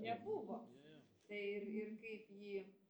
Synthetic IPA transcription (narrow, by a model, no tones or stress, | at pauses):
nʲɛbuʋo | t̪ɐɪɪrɪrkɐɪpjiː